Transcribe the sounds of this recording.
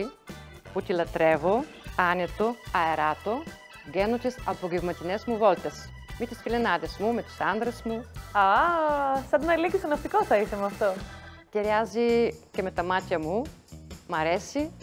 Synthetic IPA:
put̪ilɐt̪ɾevo | anʲet̪oɐeɾat̪o | ɡɛnot̪isɐpoɡivmɐt̪inɛsmuvolt̪es | mit̪isfilenaðesmumet̪i̥sand̪ɾesmua | sɐd̪nɐlikisɐnɐft̪ikosɐiθemuɐft̪oc̪eɾazicemet̪ɐmat̪çɐmu | mɐɾesi

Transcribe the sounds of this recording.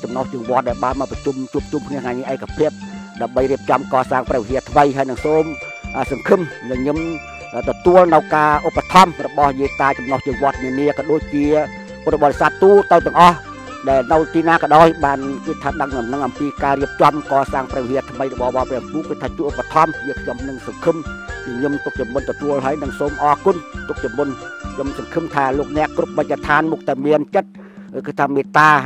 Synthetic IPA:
t͡ɕɑmnoht͡ɕɨəŋʋŏət̪̚ɗaɛlɓaːnmaːprɑt͡ɕumt͡ɕuəp̚t͡ɕumkʰniəhŋaːjniəʔaɛkːapʰiəp̚ɗaəmɓəjriəp̚t͡ɕɑmkɑːsaːŋprɛːʋiɦiət̪ʰʋəjɦaəjnɨŋsoːm | ʔəːsɑŋkʰɨmnɨɲɨmː | t̪ɔt̪uəlnɨwkaːʔopːat̪ʰɑmrɔɓɑhjiət̪aːt͡ɕɑmnoht͡ɕɨəŋʋŏət̪̚niəniəkɑɗoːc̚t͡ɕiə | p̪ːɓɑːtːesaːt̪ːuːt̪ɨwt̪ɛ̆əŋʔɑh | ɗaɛlnɨwt̪iːnaːkɑɗaɔjɓaːnkɨt̪ʰːət̪̚ɗəŋnɑmnɨŋʔɑmpiːkaːriəp̚t͡ɕɑmkɑːsaːŋprɛʋiɦiət̪ʰməjrɔɓɑhɓɑprɛəmkuːkɨːt̪ʰaːt͡ɕuəʔopːat̪ʰɑmjiəkʰɲomnɨŋsɑŋkʰɨmɲɨmt̪uk̚t͡ɕɑmːunt̪ɔt̪uəlɦaəjnɨŋsoːmʔɑːkunt̪uk̚t͡ɕɑmːunɲomsɑŋkʰɨmt̪ʰaːloːk̚nɛ̆əʔkrup̚mac̚t̪ːat̪ʰaːnmuk̚t̪aɛmiənt͡ɕət̪̚ | kʰɨt̪ʰaːmeːt̪aː

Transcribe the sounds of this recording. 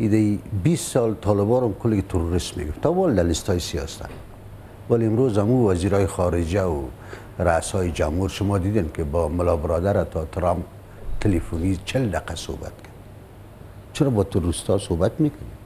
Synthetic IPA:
id̪aibist̪sɔlt̪ʰɔlɪbɔɾɔmkʊlket̪ʰʊɾuɾɪsmːḛɡʊft̪ɔbɔld̪alɪst̪ɑjisiɔ̰st̪a̰n | waliɪmɾozhamuwaziɾɔjɪxɔɾɪd͡ʒawʊ | ɾasɔjɪd͡ʒamhuɾʃʊmɔd̪id̪enkɪbɔmʊlɔbɪɾɔd̪aɾat̪ʰɔt̪ɾamp̚ | t̪ʰɪlefunit͡ʃʰɪld̪aqaso̰ba̰t̪kʰad̪ | t͡ʃɪɾɔbɔt̪ʰʊɾuɾɪst̪ɔsobat̪mekʊne

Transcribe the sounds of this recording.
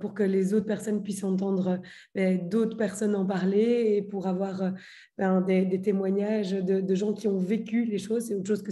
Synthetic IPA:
puʁkəlezot̪χpɛʁsɔnpɥisɑ̃t̪ɑ̃d̪ʁø | bɛd̪ot̪χə̥pɛʁsɔnɑ̃paʁleːpuʁavwaːʁø | bɛ̃d̪ed̪et̪emwaɲaʒd̪əd̪əʒɑ̃kʲiɔ̃vekʲyleʃoːzseot̪χʃozkə

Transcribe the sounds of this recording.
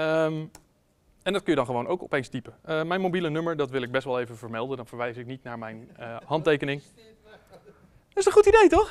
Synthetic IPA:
əm | ɛndɑt̚kənjədɑnχəʋownowkɔ̰pejnstipəəmɛjnmowbilənɵməɹdɑtʋɪlˠɪɡ̚bɛstʋɑlˠejvəvəɹmɛlˠdəndɑnv̥əɹʋɛjsɪk̚nitnaːɹmɛjnəhɑntejkənɪŋ | dɪsənχutidejtɔχ

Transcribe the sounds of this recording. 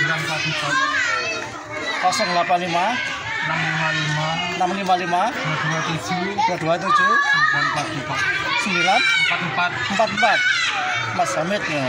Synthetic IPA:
ɾapat̪ita | pasɔnlapanlima | namlimalimanamlimalimaaduat̪ud͡ʒuduaduat̪̬ud͡ʒuampat̪ipasəmbilanəmpat̪mpat̪̚mpat̪mpat̪̚masamit̪ŋa

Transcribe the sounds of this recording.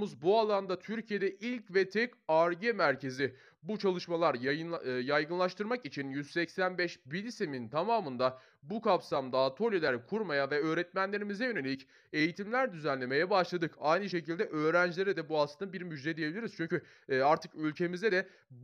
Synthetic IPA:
uzbualˠand̪at̪ʰyɾcʰijed̪ɛʔilʲcvɛt̪ʰɛcaɾɟemæɾce̞zi | but͡ʃʰalˠɯʃmalˠaɾjjajɡɯnlˠaʃt̪ɯɾmakit͡ʃʰinjyzsɛcsænbɛʃbilʲisemint̪ʰamaːmɯnd̪a | bukʰapsamd̪aːt̪ʰo̞lʲilʲæɾkʰuɾmajavɛø̞ːɾɛt̪̚mænlʲe̞ɾimizɛjø̞nelʲic | e̞jit̪ʰimlʲæɾd̪yzænlʲe̞me̞jɛbaʃlˠad̪ɯkajnɯʃe̞cilʲd̪ɛʔøːɾænd͡ʒlʲeɾɛd̪ɛbualˠt̪ʰɯnɯbiɾmyd͡ʒd̪ɛd̪ije̞bilʲiɾiz̥t͡ʃʰyɲcy | aɾt̪ʰɯkylʲcʰe̞mizd̪ɛd̪ɛ

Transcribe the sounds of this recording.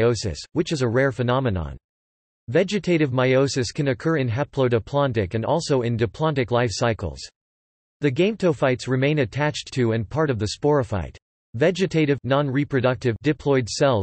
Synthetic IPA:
oʊsɨ̰swɨt͡ʃɨzɨɹɛɹfɨnɑmɨnɑ̰̃n | vɛd͡ʒɨtʰeɪɾɨvmaɪoʊsɨskʰɨ̃nɨkʰɜ˞ɨ̃nɦæpʰloʊɾɨpʰl̥ɑ̃ntɨkɨ̃nɔlˠsoʊɨ̃ndɨpʰl̥ɑ̃ntɨklaɪfsaɪkl̩ˠz̥ | ðɨɡẽɪ̃mtʰoʊfaɪtsɹɨmẽɪ̃nɨtʰæt͡ʃtʰɨɨ̃npʰɑɹɾʌvðɨspɔɹɨfa̰ɪt̚ | vɛd͡ʒɨtʰeɪɾɨvnɑ̃nɹipʰɹ̥ɨdʌk̚tɨvdɨpʰl̥ɔɪdsɛlˠ

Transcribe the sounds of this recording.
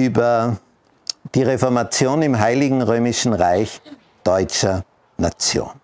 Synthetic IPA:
yːbɐ | d̥iːʁefɔɐmat͡sjoːnɪmɦaɪlɪɡŋ̩ʁøːmɪʃn̩ʁaɪç | d̥ɔʏt͡ʃɐ | nat͡sjo̰ːn

